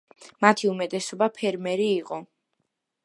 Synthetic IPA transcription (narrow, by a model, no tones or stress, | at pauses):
mat̪ʰiumɛt̪ʼɛsɔbapʰɛɾmɛɾiːqʼɔ